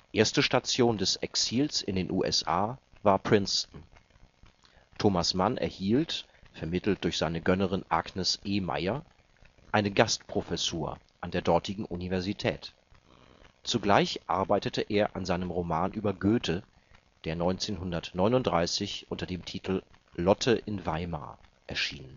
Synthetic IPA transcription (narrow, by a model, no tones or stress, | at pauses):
iʔeːɐstəʃtat͡sjoːndɛsɛksiːlsɪndeːnʔuːʔɛ̰sʔaː | vaːɐpʁ̥ɪnstn̩ | tʰoːmasmanʔɛ̰ɐhiːlt | fɛɐmɪtl̩t̚d̥ʊɐçz̥aɪnəɡœnəʁ̞ɪnʔa̰ɡnəsʔeːma̰ɪɐ | ʔaɪnəɡastpʁ̥ofɛsuːɐ̰ | ʔandeːɐdɔɐtʰɪɡŋ̩ʔunivɛɐzitʰɛːt | t͡suɡlaɪçʔa̰ɐbaɪtətʰəʔeːɐʔa̰nzaɪnəmʁomaːnʔyːbɐɡøːtʰə | d̥eːɐnɔʏnt͡seːnɦʊndɐtnɔʏnʊntd̥ʁaɪsɪçʔʊntɐdeːmtʰiːtʰl̩ | lɔtʰəʔɪnvaɪma̰ː | ʔɛɐʃiːnən